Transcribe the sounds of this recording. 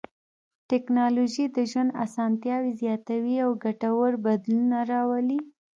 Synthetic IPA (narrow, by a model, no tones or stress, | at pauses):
ʈɛknɑloʒid̪əʒwand̪a̰sɑnt̪jɑwizjɑt̪awiawɡaʈawəɾbad̪lunaɾɑwali